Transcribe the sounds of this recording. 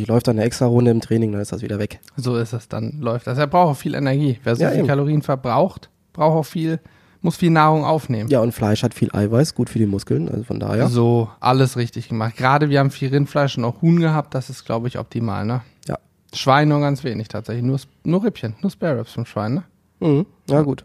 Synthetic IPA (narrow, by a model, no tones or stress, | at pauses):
çlɔʏftandeɐɛkstʁ̥aʁʊndəɪmtʁ̥ɛːnɪŋdanɪsd̥asv̥ḭːdɐvɛkzoːɪstɛsd̥a̰nlɔʏftd̥as̬eːɐbʁaʊxʊfiːlʔɛ̰nɛɐɡiːveːɐzɔləːkʰaloʁiːənfɛɐbʁaʊxt | b̥ʁaʊxtaʊxfiːl | mʊsfiːlnaːʁʊŋʔa̰ʊfneːmənjaːʊntflaɪʃhatfiːlʔa̰ɪvaɪsɡ̥uːtfyːɐdiːmʊskl̩nʔa̰lzofɔ̰nda̰ːheːɐɐzoːʔa̰ləsʁɪçtɪçɡ̥əmaχt̚ɡ̥ʁaːdəviːɐhaːbm̩fiːlʁɪnflaɪʃʊntaʊxhuːnɡəɦaːp̚t̚d̥asɪstɡ̥la̰ʊbəɪçʔɔ̰p̚tʰima̰ːlnə | ja̰ː | ʃv̥aɪnːuːɐɡant͡sv̥eːnɪçtʰaːtz̥ɛçlɪçnuːɐs | nuːɐʁɪpçənːuːɐspɛɐʁɛpsfɔmʃv̥a̰ɪnːə | m̩hm̩ | jaɡuːt